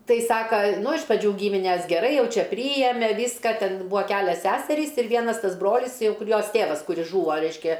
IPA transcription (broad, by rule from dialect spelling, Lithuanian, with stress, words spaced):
ˈtɐɪ ˈsɑːkɐ ˈnʊ ɪʃ prɐˈd͡ʒʲuː ˈɡʲiːmʲɪnʲɛs ɡʲɛˈrɐɪ ˈjɛʊ ˈt͡ʃʲɛ ˈpʲrʲiːjɛmʲɛ ˈʋʲiːskɐ ˈtʲɛn ˈbuːɐ ˈkʲælʲɛs ˈsʲæːsʲɛrʲiːs ɪr ˈʋʲiɛnɐs ˈtɐs ˈbroːlʲɪs ˈjɛʊ ˈkʊr ˈjoːs ˈtʲeːʋɐs ˈkʊrʲɪs ˈʒuːʋoː ˈrʲɛɪʃʲkʲɛ